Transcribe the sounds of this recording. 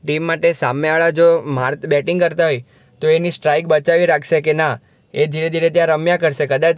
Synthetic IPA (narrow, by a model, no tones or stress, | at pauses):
ʈimːaʈesameaɭad͡ʒomaɾt̪bɛʈiŋɡkəɾt̪aɦoj | t̪oenisʈɾajk̚bət͡ʃaʋiɾakʰʃekena | ed̪ʱiɾed̪ʱiɾet̪jãɾəmjakəɾʃekəd̪at͡ʃ